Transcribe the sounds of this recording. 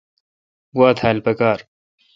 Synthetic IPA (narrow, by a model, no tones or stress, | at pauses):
ɡwaːt̪ʰaːlpɐkaːɾ